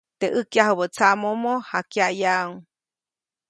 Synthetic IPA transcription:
t̪eʔəkjaɦəβət͡samomohakjajauŋ

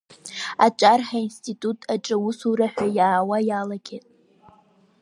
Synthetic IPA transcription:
at͡ʃʷʼarħainstʰʼitʼutʼʰaʈ͡ʂʼɨwʊsuɾaħʷᶣajaːwajalaɡʲetʼ

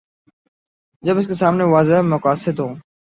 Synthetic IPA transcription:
d͡ʑɐbɪs̬kesaːmneʋaːzɪɦmʊkaːsɪd̪ɦõː

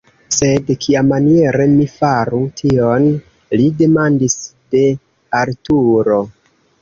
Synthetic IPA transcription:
se̞dkʰiamːanie̞ɾe̞mifaɾutʰio̞n | lide̞mandisd̥e̞ | aɾtuɾo̞

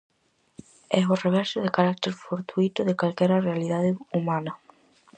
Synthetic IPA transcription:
ɛɦoreβ̞ɛɾsʊðekaɾak̚t̪eɾfoɾt̪uit̪ʊðekalkɛɾɐrealiðaðɪumanɐ

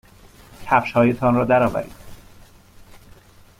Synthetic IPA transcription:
c̪ʰæfʃhɒːjet̪ʰɒnɾɒːd̪æɾɒːvæ̰ɾḭːd̪

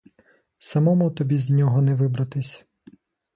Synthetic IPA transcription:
sɐmɔmut̪ɔbʲizʲnʲɔɦɔnɛʋɪbɾɐt̪ɪsʲ

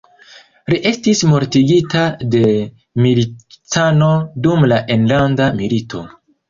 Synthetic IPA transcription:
liʔe̞stismo̞ɾtiɡitade̞ | militano̞dumlaʔe̞nlandamilitʰo̞̰

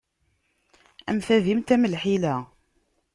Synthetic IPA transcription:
æmθævimt̪æməlħilæ

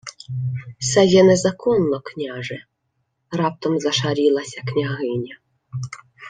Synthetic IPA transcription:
sɛjɛnɛzakʰɔnːɔknʲaʒɛ | rɑp̚t̪ɔmzɐʃaɾʲilˠɐsʲɐknʲaɦɪnʲɐ

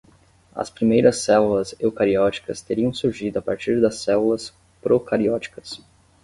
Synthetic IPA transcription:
ɐ̰spɾimejɾɐsːɛlulɐzewkaɾiɔt͡ʃi̥kɐst̪eɾiɐ̃w̃suɾʒid̪ʊapaɾt͡ʃiɾd̪ɐsɛlulɐs | pɾokaɾiɔt͡ʃi̥kɐ̥s

